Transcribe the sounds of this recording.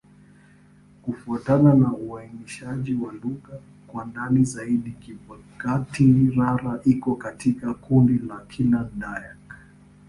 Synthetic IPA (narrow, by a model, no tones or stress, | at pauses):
kufuatananauainiʃaʄiwaluɣa | kwandanizaiɗikia | katiɾaɾaʔikɔkatikakundilakʰilandajak